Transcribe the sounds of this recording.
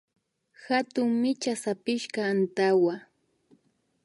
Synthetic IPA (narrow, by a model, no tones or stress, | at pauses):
xat̪ʊŋmɪt͡ʃasapɪʃkaːnt̪awa